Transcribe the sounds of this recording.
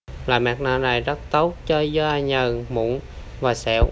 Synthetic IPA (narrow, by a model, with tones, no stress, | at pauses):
la̰ː˨jmaː˨˩k̚naː˧˩na˨˩jzə˦˥t̚t̪ə˦˥wt̚t͡ɕə˧za˧ɲə˨˩mṵ˧˨˦n | vaː˨˩sɛ̰˧˦˥w